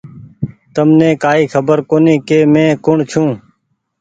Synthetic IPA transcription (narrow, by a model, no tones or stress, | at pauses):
t̪əmnẽːkaːiːxʰəbəɾkoːnĩːkeːmẽːkʊɳt͡ʃʰũː